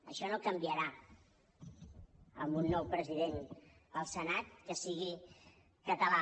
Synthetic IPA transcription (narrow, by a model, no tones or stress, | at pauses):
ə̰ʃɔnokəmbiəɾa | ə̰mbunːɔwpɾəziðenəlˠsənat̪̚kəsiɣ̞i | kət̪əla